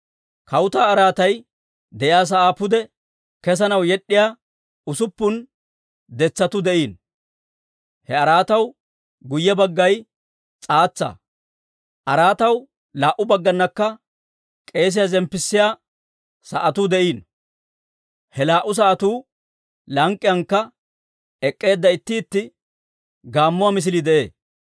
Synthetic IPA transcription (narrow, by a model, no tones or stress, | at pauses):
kɐwʊt̪aːɐɾaːt̪ɐj | d̪ɛʔjaːs̬ɐʔaːpːʊd̪ɛ | kɛs̬ɐnɐwjɛɗːɪjaː | ʊsʊpːʊn | d̪ɛt͡sːɐt̪ʊd̪ɛʔiːn | hɛɐɾaːt̪ɐw | ɡʊjːɛbɐɡːɐj | t͡sʼaːt͡sːa̰ | ʔɐɾaːt̪ɐw | laːʔʊbɐɡːɐnːɐkːɐ | kʼe̞ːs̬ɪjazɛmpːɪsːɪjaː | sɐʔɐt̪uːd̪ɛʔiːn | hɛlaːʔʊs̬ɐʔɐt̪uː | lɐŋkʼːɪjɐŋkːɐ | ɛkʼːe̞ːd̪ːɐɪt̪ːiːt̪ːɪ | ɡaːmːʊwamɪs̬ɪlid̪ɛʔe̞ː